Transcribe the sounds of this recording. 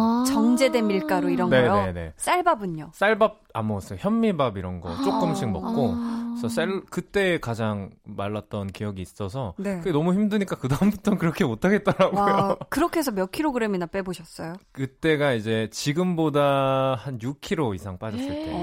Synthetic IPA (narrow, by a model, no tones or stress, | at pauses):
t͡ɕʌŋd͡ʑe̞demiɭk͈aɾoiɾʌŋne̞oe̞ne̞̰s͈aɭbabɯɲos͈aɭbab̚amʌʌs͈ʌjoçjʌmːibabiɾʌnɡʌ̰t͡ɕ͈ok͈ɯmɕʰiŋ̚mʌk̚k͈osʰʌs͈aɭkɯt͈e̞ːkad͡ʑaŋmaɭːat̚t͈ʌnkijʌɡiːs͈ʌsʰʌnekɯɡenʌmuçimdɯɲik͈akɯdambutʰʌkɯɾʌkʰe̞motʰaɡe̞t̚t͈ʌɾaɡojokɯɾʌkʰesʰʌmjʌkʰiɾoɡɯɾe̞minap͈e̞boɕʰʌs͈ʌjokɯt͈e̞ɡaid͡ʑe̞t͡ɕiɡɯmbodahanjukʰiɾoisʰaŋp͈ad͡ʑʌs͈ɯɭt͈ʰe̞̰o